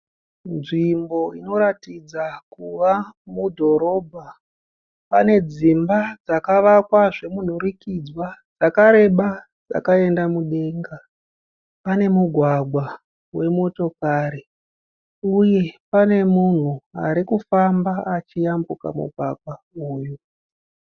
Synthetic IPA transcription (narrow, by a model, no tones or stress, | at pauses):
nʐimbo̞ino̞ɾatid͡zakuʋamudʱo̞ɾo̞ːbʱa | pane̞d͡zimbad͡zakaʋakwaʐe̞mun̤uɾikid͡zwad͡zakaɾe̞ɓa | d͡za̰kae̞ndamuɗe̞ŋɡa | pane̞muɡʱwaɡʱwa | we̞mo̞to̞kaɾi | uje̞pane̞mun̤ua̰ɾikufambaat͡ʃijambuka̰mṵɡʱwaɡwa | uːju